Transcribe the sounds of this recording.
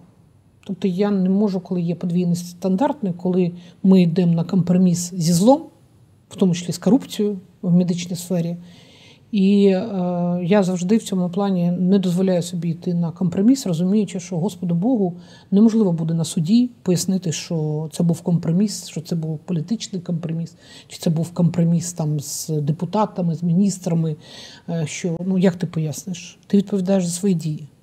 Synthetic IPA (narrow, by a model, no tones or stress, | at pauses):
t̪ɔp̚t̪ɔjanɛmɔʐʊkɔlˠɪjɛpɔd̪ʲʋʲijnɔsʲtʲst̪ɐnd̪ɑrt̪nɪjkɔlˠɪmɪid̪ɛmnɐkɔmpɾɔmʲiszʲizlˠɔm | w̥t̪ɔmʊt͡ʃɪ̥sʲlʲiskɔɾupt͡sʲijʊ | wmed̪ɪt͡ʃnɔjsfɛɾʲɪ | i | jazɐwʒd̪ɪwt͡sʲɔmʊplˠɑnʲinɛd̪ɔzʋɔlʲajʊsɔbʲiit̪ɪnɐkɔmpɾɔmʲisrɔzʊmʲijʊt͡ʃɪʃt͡ʃɔɦɔspɔd̪ʊbɔɦʊ | nemɔʒlˠɪʋɔbud̪ɛnɐsʊdʲipɔjɐsnɪt̪ɪʃt͡ʃɔt̪sɛbuwkɔmpɾɔmʲisʃt͡ʃɔt̪sɛbuwpɔlʲit̪ɪt͡ʃnɪjkɔmpɾɔmʲis | t͡ʃɪ̥t̪sɛbuwkɔmpɾɔmʲist̪ɑmz̥d̪epʊt̪ɑt̪ɐmɪzmʲinʲist̪ɾɐmɪ | ʃt͡ʃɔnujakt̪ɪpɔjasnɪʃt̪ɪʋʲid̪̚pɔʋʲid̪ɑjeʂzɐsʋɔjidʲiji